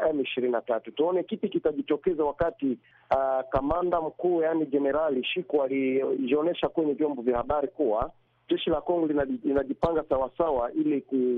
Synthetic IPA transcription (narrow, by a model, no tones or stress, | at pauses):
ɛmiʃiɾininatatutuɔnɛkipikitaʄitɔkɛzawakati | kamandam̩kuːjanid͡ʒɛnɛɾaliʃikualiɔnɛʃakwɛɲɛvjɔmbɔvjahaɓaɾikuwa | d͡ʒɛʃilakɔŋɡɔlilinaʄipaŋɡasawasawaʔiliku